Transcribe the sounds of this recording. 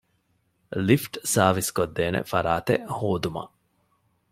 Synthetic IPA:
lifʈsaːʋiskod̪ːeːnḛfɐɾaːt̪ehoːd̪umɐ̰

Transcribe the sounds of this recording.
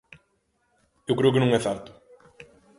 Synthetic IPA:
ewkɾewkɪnɐ̃wŋ̃ɛθɛɾt̪ʊ̥

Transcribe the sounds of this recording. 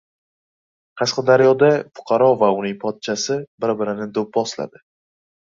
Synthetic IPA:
qʰɑsqɑd̪aɾjɒd̪afʊ̥qʰɑɾɒvaʊnɪŋpʰɒt̪̚t͡ʃʰasɪbɪɾbɪɾɪnɪd̪op̚bɒsla̰d̪ɪ

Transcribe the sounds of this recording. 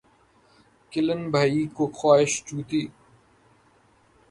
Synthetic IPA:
kɪlənbʱaːiːkoxwaːɪʃt͡ʃuːt̪iː

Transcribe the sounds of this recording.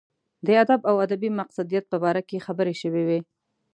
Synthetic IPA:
d̪əad̪abawad̪abimaqsad̪ijat̪̚pəbɑɾakexabəɾeʃəwewe

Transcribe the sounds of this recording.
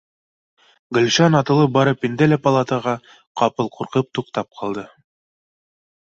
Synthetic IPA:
ɡɘ̆lʲʃɑnɑt̪ɤ̆lˠɤp̚bɑɾɤpind̪ælæpɐlˠat̪əʁɑ | qɑpɤlˠquɾqɤp̚t̪uqt̪ɑp̚qʰɑlˠd̪ɤ

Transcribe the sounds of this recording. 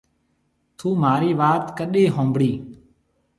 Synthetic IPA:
t̪ʰuːmaːɾiːʋaːt̪kəɗeːɦõːmbɽiː

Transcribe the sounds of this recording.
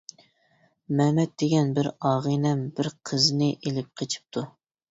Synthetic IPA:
mɛmɛt̪̚d̪eɡʲɛnbɪɾɑːʁɨnɛmbɪɾqʰəznɪʔelɪp̚qʰet͡ʃʰi̥p̚t̪ʰu

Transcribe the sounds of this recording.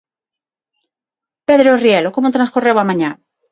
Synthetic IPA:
peðɾorjelokomot̪ɾãnskurewamãɲã

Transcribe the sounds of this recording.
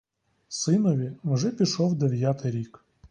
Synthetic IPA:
sɪnɔʋʲiwʒɛpʲiʃɔwd̪eʋʲjat̪ɪɾʲik

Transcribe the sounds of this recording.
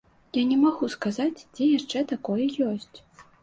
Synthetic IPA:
janʲɛmaɣuskazat͡sʲd͡zʲɛjaʂt͡ʂɛt̪akɔjɛjɔsʲt͡sʲ

